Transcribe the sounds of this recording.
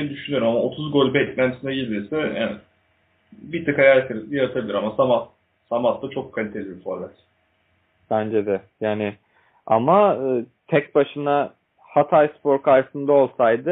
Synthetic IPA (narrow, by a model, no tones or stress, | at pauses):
nd̪yʃynyoɾumamaot̪ʰuzɡo̞lʲbɛtlʲænt̪sinɛjid̪iɾsɛja̰ | bit̪ʰɯkajalʲat̪ʰeɾjaɾat̪ʰabilʲiɾamasamat̪ | samat̪d̪at͡ʃʰo̞kʰːalʲit̪ʰe̞lʲibifoɾlʲɛt̪ | b̥ænd͡ʒɛd̪ɛjaːnɪ | a̰maɯːt̪ʰɛksbaʃɯna | hat̪ʰajspʰo̞ɾkajɾsɯnd̪ao̞lˠsajd̪ɯ